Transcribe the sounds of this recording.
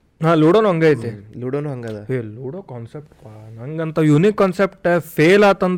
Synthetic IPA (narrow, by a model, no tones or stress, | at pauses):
ɦaːluːɽonuɐŋɡaːjt̪eluːɽonuɦɐŋɡalaeːluːɽoːkaːnsep̚ʈpaːnɐŋɡɐnt̪ɐjunikːaːnsepʈepʰeːlaːt̪ɐnt̪